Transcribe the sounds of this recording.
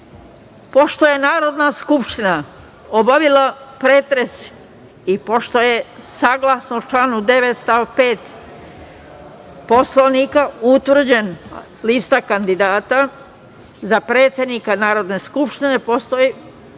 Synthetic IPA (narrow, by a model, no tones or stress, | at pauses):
po̞ʃt̪oje̞naːɾo̞d̪naskupʃt̪ina | obaʋilapɾeːt̪ɾe̞s | ipoʃt̪ojesaːɡlˠasnot͡ʃlaːnud̪e̞ʋet̪st̪ape̞ːt̪ | poslanikaut̪ʋr̩d͡ʑe̞n | list̪akand̪id̪aːt̪a | zapɾe̞ːt̪sʲje̞d̪nikanaːɾo̞d̪ne̞skupʃt̪ine̞post̪oji